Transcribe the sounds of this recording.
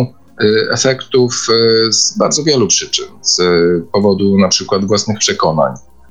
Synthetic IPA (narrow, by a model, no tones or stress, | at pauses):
ɛ̰fɛkt̪ufzbaɾd̪zɔvʲjɛlupʂɘt͡ʂɘnz̥pɔvɔd̪unapʂɘkwad̪vwasnɘxpʂɛkɔna̰ɲ